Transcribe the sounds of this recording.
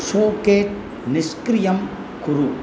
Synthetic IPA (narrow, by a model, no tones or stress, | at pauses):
ʂoːkeːt̚ | nɪskɾɪjɐm | kuɾu